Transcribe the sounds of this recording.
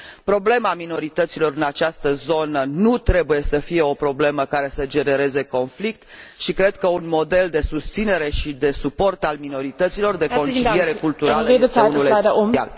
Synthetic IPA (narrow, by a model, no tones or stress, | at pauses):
pɾo̞ble̞mamino̞ɾit̪ət̪silo̞ɾɨnat͡ʃast̪əzo̞nənut̪ɾe̞buje̞səfie̞o̞pɾo̞ble̞məkaɾe̞səd͡ʒe̞ne̞ɾe̞ze̞ko̞nflikt̪ʃikɾe̞d̪kəunmo̞d̪e̞ld̪e̞sust̪sine̞ɾe̞ʃid̪e̞supo̞rt̪almino̞ɾit̪ət̪silo̞rd̪e̞ko̞nt͡ʃilie̞ɾe̞kult̪uɾaləejeeeunuleia̰l